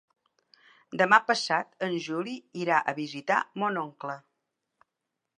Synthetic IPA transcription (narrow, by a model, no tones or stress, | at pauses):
d̪əmapəsat̪ənʲʒuliiɾaʔəβizit̪a̰monɔŋklə